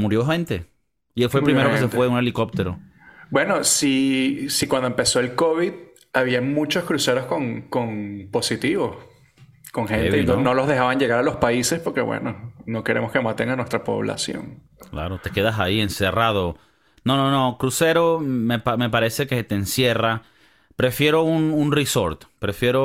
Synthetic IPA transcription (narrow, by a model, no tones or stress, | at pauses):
muɾjo̞xẽ̞nt̪e̞ | ielfwepɾimeɾokesefwe̞uneliko̞p̚t̪e̞ɾo | bwe̞no̞sisikwand̪oempe̞so̞elkoβið | aβiamũt͡ʃo̞skɾuse̞ɾosko̞ŋkoŋpo̞sit̪iβo̞s | ko̞ŋxeneonolo̞zðe̞xaβaɲd͡ʒe̞ɣaɾalo̞spaise̞spo̞ɾke̞̰wḛnono̞ke̞ɾe̞mo̞skemat̪eŋanwest̪ɾapo̞̰β̞la̰sjo̞̰ŋ | kla̰ɾot̪e̞ke̞ðasaie̞nse̞rað̞o̞ | nonono̞kɾuse̞ɾo̞mepame̞p̬aɾe̞se̞ket̪eːnsje̞ra | pɾe̞fje̞ɾo̞ununriso̞ɾt̪pɾe̞fje̞ɾo